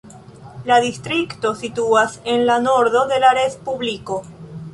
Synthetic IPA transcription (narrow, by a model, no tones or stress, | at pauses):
laðist̪ɾikto̞sit̪uase̞nlano̞ɾðo̞ðe̞laɾe̞spubliko̞